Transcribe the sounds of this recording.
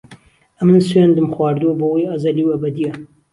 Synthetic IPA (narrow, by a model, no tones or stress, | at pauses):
ɐmɨnsweːnd̪ɨmxwɑːɾd̪uwɐbɐwojɐzɐliwɐbɐd̪ijɐ